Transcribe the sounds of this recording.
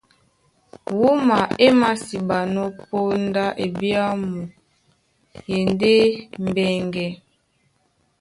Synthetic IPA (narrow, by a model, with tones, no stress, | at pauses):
wu˦ma˨e˦ma˦si˨ba˨no˦po˦n˦da˦ʔe˨bi˦a˦mu˨ | je˨nde˦m˨bɛ˦˨ŋɡɛ˨